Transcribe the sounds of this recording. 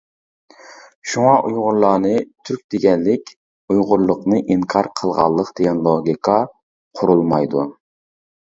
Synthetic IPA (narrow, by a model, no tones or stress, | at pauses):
ʃuŋɑʔujʁʊɾlˠɑːnɨt̪ʰyɾk̚ʲd̪eɡʲɛnlɪkʲ | ujʁʊɾlˠːʊqnɨʔiŋkʰɑɾqʰəlˠʁɑ̰lˠːəqd̪̥eɡʲɛnlˠoɡʲikʰɑ | qʰʊɾulˠmɑjd̪u